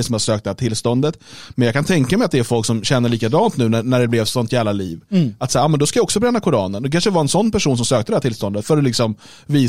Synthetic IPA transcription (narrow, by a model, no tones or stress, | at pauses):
sɔmhaʂøːk̚t̪d̪ɛhæːʈʰɪlst̪ɔnd̪ət̪mɛnjɑkʰant̪ʰɛŋkamɛjat̪d̪ɛæɾfɔlksɔmɕɛnːəɭiːkad̪ɑːnt̪nʉ̟ːnænæɖɛblɛvsɔnt̪ɪalːaliːvat̪saːɾɑːmɛnd̪ɔskajaɔksɔbɾɛnːakʰʊɾɑːnənd̪ɛkʰanʂədɛvɑːɾɛnsɔnːpʰæʂuːnsɔmsøːkt̪əd̪ɛhæʈʰɪlst̪ɔnd̪ət̪fœɾɔlɪksɔm | viː